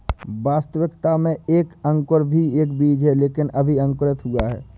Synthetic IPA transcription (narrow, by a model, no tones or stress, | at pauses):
ʋaːst̪əʋɪkt̪amẽeːkə̃ŋkəɾbʱieːkbiːd͡ʒɦɛleːkɪnɐbʱiɐ̃ŋkɾɪt̪ɦʊaɦɛ̰ː